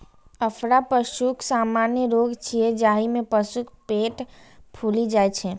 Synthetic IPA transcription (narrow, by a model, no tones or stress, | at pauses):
əfʰɾapəʃuksaːmaːnjəɾoːɡt͡ʃʰied͡ʒaːɦimẽpəʃukpeːʈpʰuːlid͡ʒaːet͡ʃʰɛ